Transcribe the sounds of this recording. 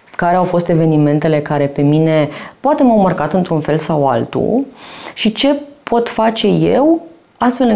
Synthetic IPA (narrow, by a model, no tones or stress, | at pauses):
kaɾe̞awfo̞st̪e̞ve̞nime̞nt̪e̞le̞kaɾe̞pe̞mine̞poat̪e̞mawmərkat̪ɨnt̪ɾunfe̞lsawa̰lt̪ṵʃit͡ʃe̞pʰo̞t̪fat͡ʃe̞jḛw | ast̪fe̞lɨ